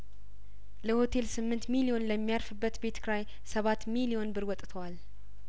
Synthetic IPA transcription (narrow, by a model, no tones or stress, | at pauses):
ləho̞t̪ʰe̞lsɨmːɨnt̪milio̞nləmːijaɾfɨbːət̪be̞t̪kʰɾaj | səβat̪ːmilio̞nbɨɾwɔt̪ʼt̪ʰəwal